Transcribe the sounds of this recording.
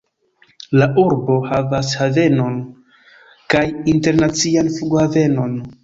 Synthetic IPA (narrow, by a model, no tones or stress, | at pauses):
laʔuɾbo̞havashave̞no̞n | kajinte̞ɾnat͡sianfuɡhave̞no̞n